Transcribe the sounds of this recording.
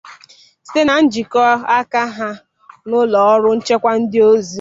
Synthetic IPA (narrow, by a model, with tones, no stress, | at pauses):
ste˦na˨n̩˦d͡ʒi˨kɔ˦a˦ka˦ɦa˦ | nʊ˦lɔ˨ɔ˦ɾʊ˦n̩˦t͡ʃe˦kʷa˦n̩˦dɪ˦o˦zi˨